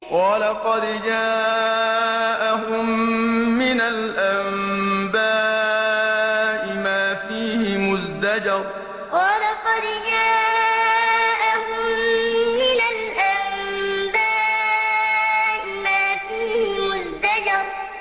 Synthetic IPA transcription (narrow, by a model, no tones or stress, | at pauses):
qɑːlaqɑd̪d͡ʒaː | ʔaɦʊmː | ɪnalʔambaː | ʔɪmaːfiːhɪmʊzd̪ad͡ʒɑɾˤ | qɑːlaqɑd̪d͡ʒaː | ʔahʊmː | ɪnalʔambaː | ʔɪmaːfiːhɪmʊzd̪ad͡ʒɑɾˤ